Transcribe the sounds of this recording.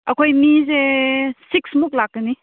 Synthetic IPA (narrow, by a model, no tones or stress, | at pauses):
ɐkʰojmizesiksmuk̚lakːəni